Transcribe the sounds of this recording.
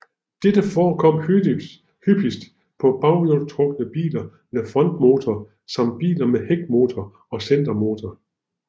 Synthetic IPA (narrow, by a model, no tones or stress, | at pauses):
d̥ed̥əfɒːkʰɒ̽m̰hyi | hyb̥isd̥ | pʰɒ̽b̥ɑ̈ʊjot͡sʰʁɔ̽ɡ̥ənəb̥ḭːlɐ | mefʁɒ̽nd̥mo̝ːt͡sʰɐ | sɑ̈m̰d̥̚b̥ḭːlɐmeheɡ̥mo̝ːt͡sʰɒ | ɒ̽sen̰d̥ɐmo̝ːt͡sʰɐ